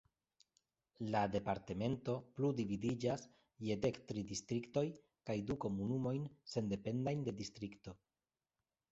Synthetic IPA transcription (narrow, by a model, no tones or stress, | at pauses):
lade̞paɾte̞me̞nto̞pludividid͡ʒas | je̞de̞ktɾidistɾikto̞j | kajduko̞munumo̞jnse̞nde̞pe̞ndajnde̞distɾikto̞